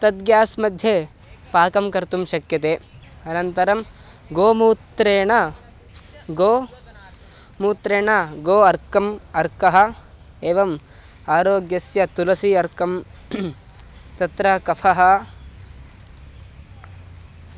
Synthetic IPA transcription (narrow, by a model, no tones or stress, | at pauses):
t̪ɐd̪ɡjaːsmɐd̪ʱje | paːkɐmkɐɾt̪umʃɐkjɐt̪eːɐnɐnt̪ɐɾɐm | ɡoːmuːt̪ɾeːɳɐ | ɡoː | muːt̪ɾeːɳɐɡoːɐɾkɐmɐɾkɐɦɐ̆ | eːʋɐm | aːɾoːɡjɐsjɐt̪ulɐsiɐɾkɐm | t̪ɐt̪ɾɐkɐpʰɐɦɐ